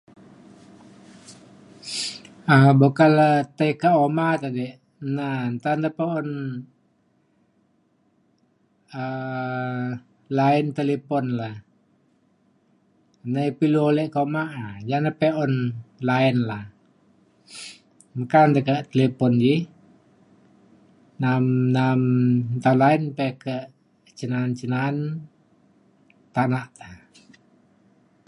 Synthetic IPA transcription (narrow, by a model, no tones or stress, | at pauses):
abokalat̪aikaomat̪adɛʔ | nant̪and̪apeɔn | ə | laɛnt̪elepɔnla | nəipiluolɛʔkomaʔajanəpɛʔɔnlaɛnlah | məkant̪əkəʔt̪elepɔnd͡ʒi | namnamt̪aunlaɛnpɛkəʔ | t͡ʃənant͡ʃənan | t̪anaʔt̪əh